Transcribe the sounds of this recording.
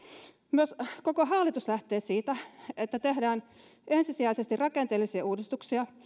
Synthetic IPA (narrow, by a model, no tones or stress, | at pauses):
myøsko̞ko̞ɦɑːlːˑit̪uslæht̪e̞ːsiːt̪æet̪ːæt̪e̞ɦdæːn | e̞nsisiæisest̪irrɑkent̪e̞ːlːisiɑuːdist̪uksiɑ